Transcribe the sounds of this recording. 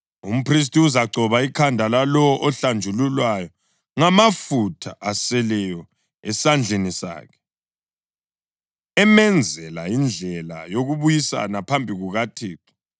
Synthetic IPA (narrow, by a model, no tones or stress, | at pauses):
um̩pʰris̬tiuzaɡ͡ǀʱɔβaikʰandʱalalɔɔʔɔɬand͡ʒʱululwajɔ | ŋamafutʰaʔasɛlɛjɔ | ɛsand͡ɮʱenisa̰ːkʰɛ̥ | ɛmɛnd͡zʱɛlajind͡ɮʱɛla̰joɣuβujisa̰napʰambʱiɣuɣatʰiːtʰɔ̥